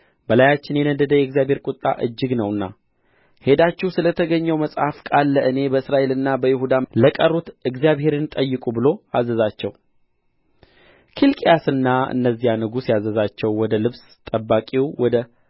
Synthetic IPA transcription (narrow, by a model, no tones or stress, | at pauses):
bəlajat͡ʃːɪnjɛnəd̪əd̪əjɛɡzijaβhe̞ɾkʼut̪ʼːa̰ʔɨd͡ʒːɨɡnəwɨnːa | he̞d̪at͡ʃːɪwsɨlət̪ʰəɡəɲːɛwməsʼhafkʼalːəʔɨne̞bəɨsɾaʔe̞lɨnːabəjɪhud̪aləkʼərːut̪ɨɡzijaβhe̞ɾɨnt̪ʼəjːɨkʼubɨlo̞azːəzat͡ʃːɛw | kʰilkʼijasɨnːaɨ̰nːəzːijanɨɡusjazəzat͡ʃːɛwːɔd̪əlɨβs | t̪ʼəbːakʼiwwɔd̪ə